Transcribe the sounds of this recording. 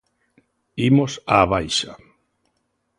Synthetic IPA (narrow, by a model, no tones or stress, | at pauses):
imosaβajʃa